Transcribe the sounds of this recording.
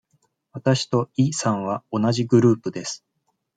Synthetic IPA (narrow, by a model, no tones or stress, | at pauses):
βat̪aɕi̥t̪o̞isãɰ̃β̞ao̞naʑiɡɯ̟ɾɯ̟ːpɯ̟d̪e̞sɨ̥